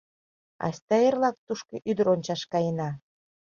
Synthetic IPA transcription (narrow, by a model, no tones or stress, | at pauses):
ɑ̰sʲt̪ɑjerlɑk̚t̪uʃkɤʔyd̪əɾonʲt͡ɕɑʃkɑjənɑ